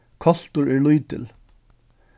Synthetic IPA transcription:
kʰɑɬt̪ʊɹeːɹlujd̪̚t̪ʰɪ̰l

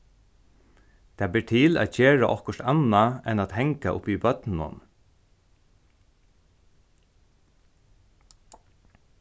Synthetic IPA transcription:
t̪ʰaːbɪːɹʈ̪ʰɪla̰t̪çeːɹaʔɔhkəʂt̪anaɛnaːt̪hɛŋkaʔʊ̰pibœt̪nnʊ̰n

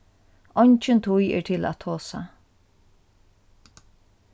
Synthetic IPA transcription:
ɔɲt͡ʃɪnt̪ʰujɛ̰ːɹt̪ʰɪla̰t̪ʰoːsa̰

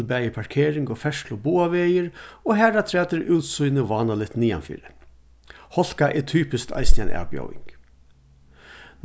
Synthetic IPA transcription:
lbæjəpʰɑɹkʰeːɾɪŋɡoːfɛʂlʊbuːaʋeːjəɾoːɦæːɾat̪ʰɾɛːt̪əɾʔʉːt̪sujnəʋɑːnalɪt̪niːa̰nfḭːɾə | hɔl̥kaʔɛt̪ʰyːpɪskt̪ʰɑ̰ɪsnɪa̰næ̰ːʋbjɔ̰wɪ̰ŋk | n

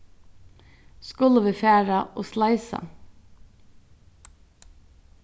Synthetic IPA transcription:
skʊləʋɪːfæːɹɑʔoːslɑɪsɑ̰

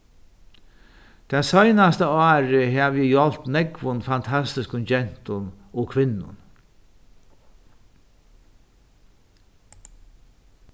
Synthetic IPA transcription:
t̪ʰɛsɔjnast̪əɑːɾɪɦɛʋjɪjɔlt̪nɛkvʊnfant̪ʰast̪ɪskʊnd͡ʒɛn̥t̪ʊn | ɔkʰʋɪnːʊ̰n

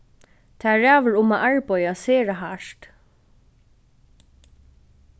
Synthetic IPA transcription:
t̪ʰaɹæːvəɹʊmaʔaɹpɔjaseːɹaɦaʂt̪

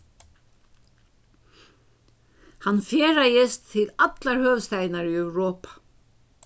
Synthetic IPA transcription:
hanːfjɛːɾajɪst̪ʰːɪlat̪laɹhœːʋst̪ajnaɾyœwɾɔːpḁ

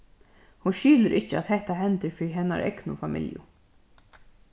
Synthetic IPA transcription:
hunʃyːləɾʔɪht͡ʃəa̰ðhɛht̪aɦɛnt̪əɾfɾɦɛna̰ɾʔɛ̰knʊ̰famɪ̰ljʊ̰

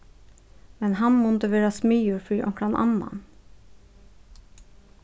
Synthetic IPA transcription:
mɛnhɑnmɔnt̪əʋeːɾɑsmyːuːɾfyːʔɔ̰ŋkɾɑnʔɑ̰nːɑ̰n

